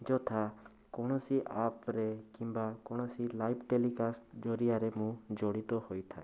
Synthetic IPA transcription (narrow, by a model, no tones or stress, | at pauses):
d͡ʒɔt̪ʰa | kɔɽ̃ɔsiʔapɾekimbakɔɽ̃ɔsilajpʰʈelikasʈd͡ʒɔɾiaɾemũd͡ʒɔɽit̪ɔhojt̪ʰae